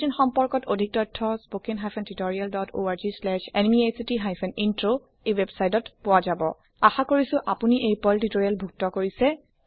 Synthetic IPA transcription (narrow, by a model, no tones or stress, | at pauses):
inxɔmpɔɹkɔtodʱik̚tɔtʰːɔspokinɦajpʰɛntutoɹialdɔtʰo̰aɹzislɛʃɛnmiejsitiɦajpʰɛnintɹo | ejwebsajtɔtpʊwazabɔ̰ | axakoɹisʊ̃ʔapuniʔejpɔltitoɹialbʱuk̚tɔkoɹisɛ